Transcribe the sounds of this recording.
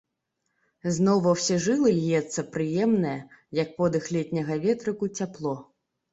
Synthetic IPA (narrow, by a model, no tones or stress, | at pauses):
znɔwvɐwsʲɛʐɨlˠɨlʲjɛt̪sːɐpɾɨjɛmnɨjɐjɐk̚pɔd̪ɨxlʲɛt̪ʲnʲɐɣɐvʲɛt̪ɾɨkut͡sʲaplˠɔ